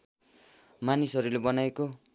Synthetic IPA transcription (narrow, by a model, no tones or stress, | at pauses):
manisʌɾulebʌnajeko